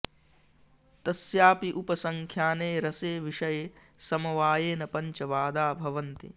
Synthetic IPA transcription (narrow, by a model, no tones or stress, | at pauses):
t̪ɐsjaːpiʔupɐsɐŋkʰjaːneːɾɐseːʋiʃɐje | sɐmɐʋaːjeːnɐpɐɲt͡ʃɐʋaːd̪aːbʱɐʋɐnt̪ḭ